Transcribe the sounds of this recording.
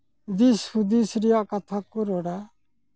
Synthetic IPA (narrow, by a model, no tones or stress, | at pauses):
d̪isud̪isɾijakat̪ʰakʊɾɔɽa